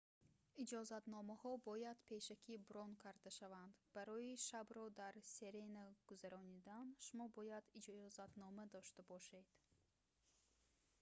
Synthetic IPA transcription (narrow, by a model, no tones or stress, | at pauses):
id͡ʒɔzat̪nɔmahɔbɔjad̪pʰe̞ʃakʰibɾɔnkʰaɾd̪aʃavand̪b̥aɾɔjiʃabɾɔd̪aɾseɾenaɡ̥uzaɾɔnid̪anʃumɔbɔjad̪id͡ʒzat̪nɔmad̪ɔʃt̪abɔʃe̞d̪̥